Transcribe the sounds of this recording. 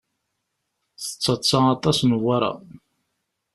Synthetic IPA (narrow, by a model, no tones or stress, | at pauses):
θə̥t͡sːɑt͡sːɑɑt̪ˤɑsnəwːaɾa̰